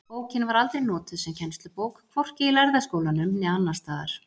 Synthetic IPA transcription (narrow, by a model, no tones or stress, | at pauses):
poːwcɪnvaɾalt̪ɾejnɔːt̪ʏðsɛmcʰɛnst̪lʏpoːwkkʰv̥ɔr̥cɪilaɾðaskoːwlanʏmnɛanːḁst̪aːða̰ɾ̥